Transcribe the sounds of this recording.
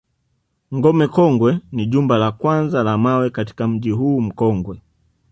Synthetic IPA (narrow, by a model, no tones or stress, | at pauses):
ŋɡɔmɛkɔŋɡwɛniʄumbalakwanzalamawɛkati̥kam̩ʄiɦuːm̩kɔŋɡwɛ